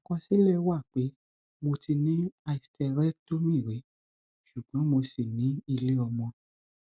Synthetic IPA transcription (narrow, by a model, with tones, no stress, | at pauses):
kɔ̃˧si˦lɛ˦˨˧wa˦˨k͡pe˨˦ | mo˧ti˧nĩ˦a˧i˧stʰɛ˧ɾɛ˦to˦mĩ˦˨ɾe˨˦ | ʃu˨ɡ͡bɔ̃˨˦mo˧si˦˨nĩ˨˦i˧le˦ɔ˧mɔ̃˧